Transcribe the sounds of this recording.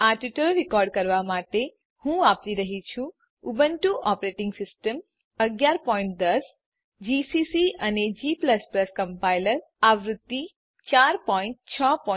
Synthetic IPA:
aʈiʈəlɾikɔɾɖ̚kəɾʋamaʈe | hũap̚ɾiɾəɦit͡ʃʰũ | ubənʈuʔɔpɾeʈɪŋɡsɪsʈəm | əɡjaɾpɔĩɳʈ̚d̪əs | d͡ʒisisiəned͡ʒipləspləskəmpajləɾ | aʋɾʊt̪ːi | t͡ʃaɾpɔiɳʈ̚t͡ʃʰəpɔ

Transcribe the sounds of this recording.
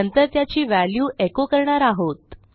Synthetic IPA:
ənt̪əɾt̪jat͡ɕiːʋæljuːʔekokəɾɳaɾaɦot̪̚

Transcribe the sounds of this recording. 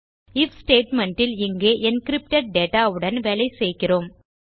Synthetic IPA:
ɪfsʈeːʈmɛɳʈɪlɪŋɡeːʔɛnkɪɾɪp̚ʈɐʈ̚ɖeːʈaːɯɽɐnʋɛːlɐɪsɛjɣɪroːm

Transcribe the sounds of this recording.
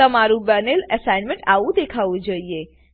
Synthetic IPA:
əmaɾũbəneləsajnmẽɳʈaʋũd̪ekʰaʋũd͡ʒoie

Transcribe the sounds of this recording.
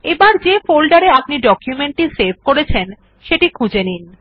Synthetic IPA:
ebaɾd͡ʑefolɖaɾeap̚niɖɔkjumeɳʈʈiseɾbʱkoɾet͡ɕʰen | ʃeʈikʰũd͡ʑenin

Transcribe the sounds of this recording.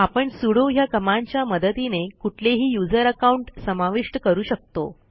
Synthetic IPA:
apəɳsuɽoɦjakəmaɲt͡ɕjaməd̪ət̪inekuʈʰleɦiːjud͡zəɾəkauɳʈsəmaʋiʂʈəkəɾuːɕək̚t̪o̰

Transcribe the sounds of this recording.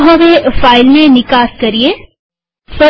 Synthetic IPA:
ɦɐ̃ʋefaːɪlmẽnɪkaːskɐɾie | sɐ

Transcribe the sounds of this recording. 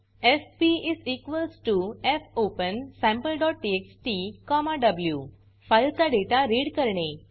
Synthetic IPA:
espiizikʋəlsʈuefopə̃nsɛ̃mpəlɖɔʈ̚ʈieksʈikɔmaɖəblju | fajlt̪aɖeʈaɾiɽkəɾɳẽ

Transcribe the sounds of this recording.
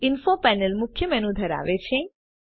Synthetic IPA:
ɪnfopɛnəlmʊkʰjəmɛnũd̪ʱəɾa̰ʋet͡ʃʰe

